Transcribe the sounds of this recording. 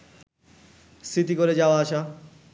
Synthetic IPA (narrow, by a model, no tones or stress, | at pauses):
st̪ʰit̪ikoɾed͡ʑaoaaʃa